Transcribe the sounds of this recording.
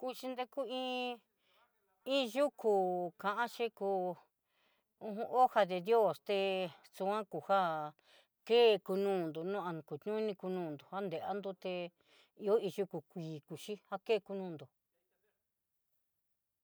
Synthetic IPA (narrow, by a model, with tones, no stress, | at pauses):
ku˧ʃi˧nd̪e˧ku˦ĩː˦ | ĩ˦ʒu˦kʰu˨kã˨ʔã˦ʃi˦ku˧ | ũ˧ɦũ˧ʔo˦ha˧ðe˧djo˦˨st̪e˧ | t͡su˧ã˦ku˨ha˦ | keː˦˧ku˧nũː˦˨nd̪u˨nũ˦ã˧ku˨t̪ɲũ˦nĩ˧ku˧nũː˧˨nd̪u˨ha˦nd̪e˨ʔa˦nd̪u˧˦t̪e˧ | i˧o˦i˧ʒu˦ku˨kʷiː˨ku˨ʃi˦ha˦keː˦˨ku˧nũː˦˧˨nd̪o˨